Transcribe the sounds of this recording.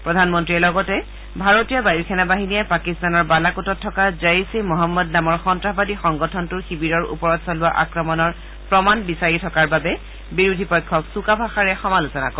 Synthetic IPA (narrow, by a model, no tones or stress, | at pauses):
pɹɔdʱanmɔntɹiɛlɔɡɔtɛ | bʱaɹotijɔbaiɹkʰɛnabaɦinijɛpakistanɔɹbalakutɔtʰːɔkazaisimɔɦamːɔdnamɔɹxɔntɹaɦbadixɔŋɡɔtʰɔntuɹxibiɹɔɹṵpɔɹɔtsɔlʊwaʔa̰kɹɔmɔnɔɹ | pɹɔmanbisaɹitʰɔkaɹbabɛ | biɹudʱipɔjkʰːɔksukabʱaxaɹɛxɔmalusɔna̰kɔ